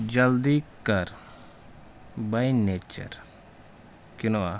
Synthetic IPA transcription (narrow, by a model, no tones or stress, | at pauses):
d͡ʒɐld̪ikɐɾ | bɐjnet͡ʃɐ̰ɾ | kina